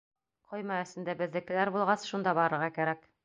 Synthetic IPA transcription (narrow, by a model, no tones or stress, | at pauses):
qʰɒjmɑɵ̆st̪ɘ̆nd̪æbɘ̆ðːɘ̆kɘ̆læɾbulˠʁɑsʃund̪ɑbɒɾɤ̆ɾʁɑkæɾæk